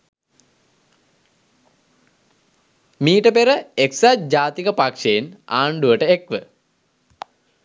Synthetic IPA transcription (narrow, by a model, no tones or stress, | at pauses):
miːʈəpeɾəeksad͡ʑaːt̪ikəpakʂeena̰ːɳɖuʋəʈəekʋə